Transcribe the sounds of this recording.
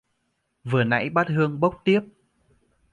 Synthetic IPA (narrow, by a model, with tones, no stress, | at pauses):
vɨ˨˩əna̰˧˥jɓaː˦˥t̚ɦɨ˧əŋɓə˦˥wk͡p̚t̪i˦˥əp̚